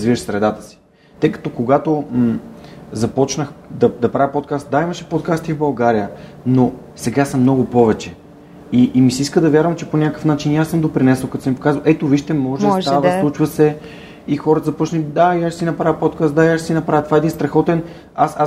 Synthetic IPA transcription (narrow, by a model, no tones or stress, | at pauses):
ɐzvivəʃsɾɛd̪at̪ə̥si̥ | t̪əjkɐ̥t̪okoɡat̪o | zɐpɔt͡ʃnəxd̪ɐd̪ɐpɾavʲjəpot̪̚kast̪̚d̪aiməʃɛ̥pot̪̚kast̪ivbɐlˠɡaɾijəno | sɛɡasɐmnɔɡʊpɔvɛt͡ʃɛ | iʔːmisiiskəd̪ɐvʲjaɾvəmt͡ʃɛponʲakkə̥fnat͡ʃiniasɤmd̪opɾinɛsəlˠkɐt̪ɔsɛmipo̥kazvəlˠʔɛt̪oviʃt̪ɛmɔʒsʒavəsllˠut͡ʃvɐsɛ | ixɔɾət̪əzɐpɔt͡ʃnəlid̪aiaʃsinɐpɾavʲəpot̪kast̪d̪aiaʃsinɐpɾavət̪ovaɛd̪inst̪ɾɐxɔt̪ɛn | asa